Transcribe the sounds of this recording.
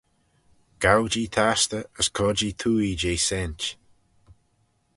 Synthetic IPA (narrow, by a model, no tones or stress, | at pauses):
ɡ̥awd͡ʒiːt̪ʰast̪əəskʰɔd͡ʒit̪ʰuːiːd͡ʒeːsɛnt͡ʃ